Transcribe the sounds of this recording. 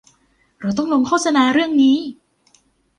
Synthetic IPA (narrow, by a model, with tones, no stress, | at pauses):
ɾa˧˩wt̪ɔ˥˩ŋwo˧ŋkʰoː˥˩t̪̚sa˧naː˧ɾɯ˥˩əŋniː˦˥